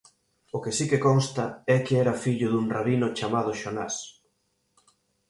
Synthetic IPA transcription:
ʊkɪsikekonst̪ɐɛkɪɛɾɐfiʎʊðuŋraβinʊt͡ʃamaðʊʃona̰s

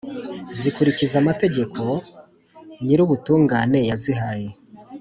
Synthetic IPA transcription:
zikuɾicizamate̞ɟe̞kʰo̞ | niɾuβutuːŋɡaːne̞jaziɦaje

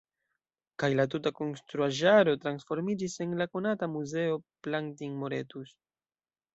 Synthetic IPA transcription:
kajlat̬utako̞nst̪ɾuaʒaɾo̞tɾansfo̞ɾmid͡ʒise̞nlako̞natamuze̞o̞plaŋtiŋmo̞ɾe̞tus

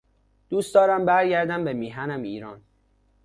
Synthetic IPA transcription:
d̪̥uːstd̪̥ɒːɾæmbæɾɟæɾd̪æmbemiːɦænæmiːɾɒːn

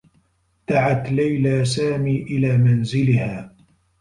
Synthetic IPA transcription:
t̪aʕat̪lajlaːsaːmiːʔɪlaːmanzɪlɪhaː

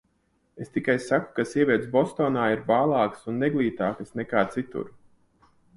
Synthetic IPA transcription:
est̪ikajssaku̥kasiɛvʲiɛt̪sbɔst̪oːnaːiɾbaːlˠɑːksunːeɡlˠiːt̪aːkasnɛkaːt̪sit̪ṵɾ

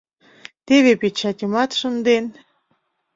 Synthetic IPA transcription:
t̪eβepet͡ɕɑtʲimɑt̪ʃə̆nd̪en

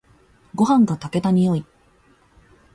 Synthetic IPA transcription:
ɡo̞ɦãŋɡat̪ake̞t̪aɲ̟ʲijo̞i

